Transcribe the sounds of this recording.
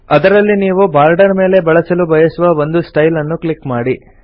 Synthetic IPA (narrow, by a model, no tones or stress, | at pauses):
ɐd̪ɐɾɐlːiniːʋubaːɾɖɐɾme̞ːle̞bɐɭɐsɐlubʱɐjɐsuʋɐʋo̞nd̪usʈɐjlɐnːukɭikmaːɽi